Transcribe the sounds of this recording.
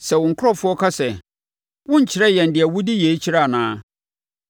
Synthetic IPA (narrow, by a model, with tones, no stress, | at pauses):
sɛ˨wʊ̃˨ŋ̩˨kʰʊ˦ɾɔ˦fʊ˦ɔ˦kʰa˦sɛ˨ | wʊ̃˦ɲ̩˨t͡ɕʰɪ˨ɾɛ˦jɛ˨n̩˨dɪ˨ɛ˨wʊ˦di˦je˨˦t͡ɕʰi˦ɾa˦˨nãː˦